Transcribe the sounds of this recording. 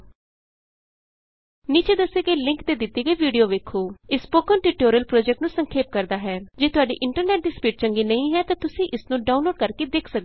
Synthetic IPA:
niːt͡ʃeːd̪əsːeːɡəiːlɪ̃ŋkt̪eːd̪ɪt̪ːiːɡəiːʋiːɖijoːʋeːkʰːoːɪspoːkəːnʈiːʈoːɾijəlpɾoːd͡ʒɛkʈnũːsəŋkʰeːp̚kəɾd̪aːɦɛːd͡ʒeːt̪ʊaːɖḭːʔɪɳʈəɾnɛːʈ̚ɖɪspjuːʈ̚t͡ʃəŋɡiːnəĩːɦɛːt̪ãːt̪ʊsĩːʔɪsnũːɖaːũnloːɖkəɾkeːd̪eːkʰsək̪̚o

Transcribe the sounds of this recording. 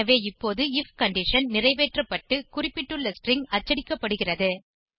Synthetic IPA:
ɐʋeːɪpːoːðɯɪfkɐɳɖɪʂɐnnɪrɐɪʋeːʈrɐpːɐʈːɯkʊrɪpːɪʈːɯɭːɐsʈrɪŋɡɐt͡ʃːɐɽɪkːɐpːɐɽɯɣɪrɐðɯ

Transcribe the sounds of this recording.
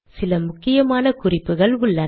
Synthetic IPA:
sɪlɐmʊkːɪjɐmaːnɐkʊrɪpːɯɣɐɭʊɭːɐ

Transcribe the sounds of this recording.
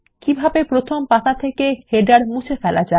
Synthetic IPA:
kibʱabepɾot̪ʰompat̪at̪ʰekeheɖaɾmũt͡ɕʰefɛlad͡ʑae

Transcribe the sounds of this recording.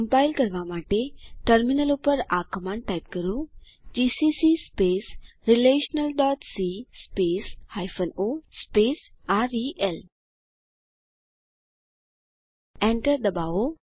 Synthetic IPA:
əmpajlkəɾʋamaʈeʈəɾminəlupəɾakəmãɳɖʈajp̚kəɾũ | d͡ʑisisispes | ɾileɕənəlɖɔʈsispeshajfənospes | aɾiʔel | ɛ̃ɳʈəɾd̪əbao

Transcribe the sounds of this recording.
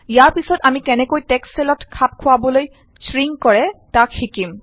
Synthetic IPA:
ijaɹpisɔtamikɛnɛkojtɛksːɛlɔtkʰap̚kʰʊwaboloj | sɹiŋkɔɹɛtakxikim

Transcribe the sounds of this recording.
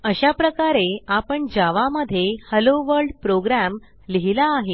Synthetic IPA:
əɕapɾəkaɾeapəɳd͡ʑaʋaməd̪ʱːjehəloʋəɾɖpɾoɡɾæm | liɦilaːɦe

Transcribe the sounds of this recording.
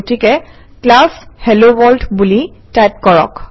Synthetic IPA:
tikɛ | klashɛlobɔltbulitajp̚kɔɹɔ̰k

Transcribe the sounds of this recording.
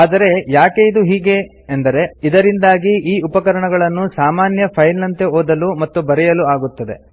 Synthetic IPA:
aːd̪ɐɾe̞jaːkeid̪uɦiːɡe̞ː | nd̪ɐɾe̞id̪ɐɾind̪aːɡiʔiːupɐkɐɾɐɳɐɡɐɭɐnːusaːmaːnjɐpʰɐjlɐnt̪e̞oːd̪ɐlumɐt̪ːubɐɾɛjɐluaːɡut̪ːɐd̪e̞̰

